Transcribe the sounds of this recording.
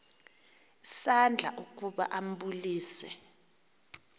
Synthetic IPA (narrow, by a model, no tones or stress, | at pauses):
sand͡ɮʱa̰ʔuk̬ʼuɓa̰ʔam̩ɓuliːsɛ